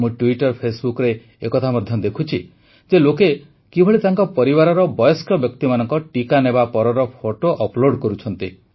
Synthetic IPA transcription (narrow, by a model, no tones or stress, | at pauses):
mũʈuiʈɔɾpʰesbukɔɾe | ekɔt̪ʰamɔd̪ʱjɔd̪ekʰut͡ʃʰi | d͡ʒeloke | kibʱɔɭit̪aŋkɔpɔɾibaɾɔɾɔbɔjɔskɔbjɔkt̪imanɔŋkɔʈikanebapɔɾɔɾɔpʰoʈoʔɔploɽkɔɾut͡ʃʰɔnt̪i